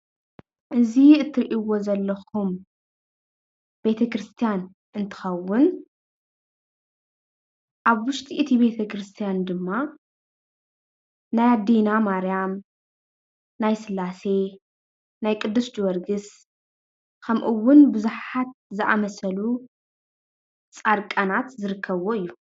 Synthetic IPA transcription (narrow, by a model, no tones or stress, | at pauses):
ʔɨziɨt̪ʰːɨɾiʔiwo̞zɐlːɐxum | be̞t̪ʰɐkɾɨst̪ʰijan | ʔɨnt̪ʰɨ̥xɐwːʊn | ʔaβwʊʃt̪ʰiʔit̪ʰibe̞t̪ʰɐkɾɨst̪ʰijand̪ɨmːa | najad̪inamaɾjam | ajsɨlːase̞ | najkʼɨd̪ːusd͡ʒwɐɾɡɨs | kʰɐmʔɨwːʊnbɨzuħat̪̚zɨʔa̰mɐsɐlu | t͡sʼaɾkʼanat̪zɨɾɨkʰːɐβoɨjːu